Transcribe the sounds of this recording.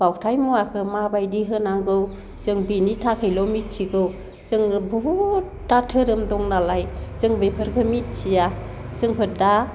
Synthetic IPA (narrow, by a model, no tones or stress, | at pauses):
b̥awtʰajmuakʰɯmabajdiɦɯnaŋɡɯw | zɯŋbinitʰakʰɯjlɔmit̚t͡ʃʰiɡɯw | zɯŋbu | tatʰɯɾɯmdɔŋnalajzɯŋbepʰɯɾɡʰɯmit̚sʰija | sɯŋpʰɯda